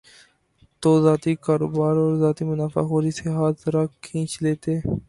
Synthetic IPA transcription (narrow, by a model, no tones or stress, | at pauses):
t̪oːzaːt̪ikaːɾo̰ːbaːɾɔːɾzaːt̪imʊnaːfa̰ːkoːɾiːseɦaːt̪zɾaːkʰĩːt͡ʃleːt̪eː